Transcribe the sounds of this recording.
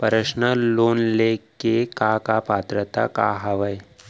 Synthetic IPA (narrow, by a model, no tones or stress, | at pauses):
pɐɾəʃnəloːnlekekakapaːt̪ɾət̪a̰ka̰ɦɐʋəj